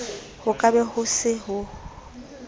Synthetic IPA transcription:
hʊkʼabɛhʊsɪɦʊ

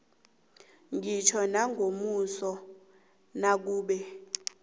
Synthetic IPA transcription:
ŋʱit͡ʃʰɔnaŋɡʱomusɔ | nak̬uːɓɛ

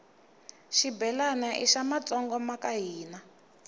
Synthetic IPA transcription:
ʃibɛlanaʔḭʃamat͡sɔŋɡɔmakaɦiːna

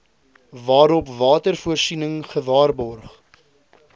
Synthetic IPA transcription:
vɑːɾɔpvɑːtərfuərsinəŋχəvɑːrbɔrχ

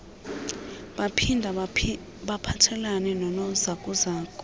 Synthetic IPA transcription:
ɓapʰindʱa | ɓapʰatʰɛlanɛnɔnɔzakʼuzaːkʼɔ

